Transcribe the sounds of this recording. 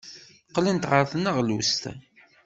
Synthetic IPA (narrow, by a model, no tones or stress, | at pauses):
qlint̪ʁəɾθənəʁlust̪æ̰